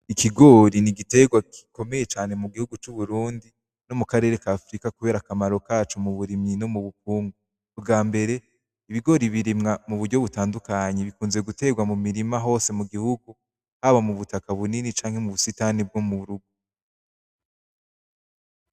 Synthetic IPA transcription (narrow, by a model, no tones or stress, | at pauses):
ikʰiɡo̞ɾiniɡite̞ɡwaki̥ko̞me̞je̞t͡ʃaːne̞muɡihuɡut͡ʃuβuɾuːndi | no̞mukaɾe̞ːɾe̞kaːfɾikakuβe̞ːɾakamaɾo̞kaːt͡ʃumuβuɾimɲino̞muβuk̚uːŋɡuː | bɡaːmbe̞ɾe̞ | iβiɡo̞ɾiβiɾimŋamuβudɟo̞βutaːndukaɲeβikuːnze̞ɡute̞ːɡwamumiɾimaɦo̞ːse̞muɡihuɡu | haβamuβutakaβuninit͡ʃaːŋhe̞muβusitanib̚ɡomuɾuɡu